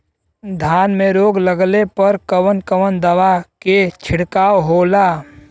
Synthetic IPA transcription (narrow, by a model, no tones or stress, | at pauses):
d̪ʱjaːnmẽɾoːɡləɡlepəɾkəwənkəʋənd̪ɐʋaket͡ʃʰɪɽkaːwɦoːlaː